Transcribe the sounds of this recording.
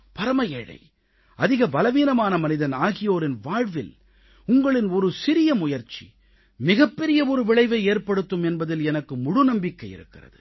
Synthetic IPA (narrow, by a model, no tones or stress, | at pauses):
pɐɾɐmɐjeɻɐ̰ɪ | ɐðɪɣɐbɐlɐʋiːnɐmaːnɐmɐnɪðɐnaːɣɪjoːɾɪnʋaːɻʋɪl | ʊŋɡɐɭɪnɔɾɯsɪɾɪjɐmʊjɐɾt͡ʃḭ | mɪɣɐpːɛɾɪjɐɔɾɯʋɪɭɐɪʋɐɪeːɾpɐɽɯt̪ːɯmɛnbɐðɪlɛnɐkːɯmʊɽʊnɐmbɪkːɐɪjɪ̰ɾɯkːɪrɐ̰ðɯ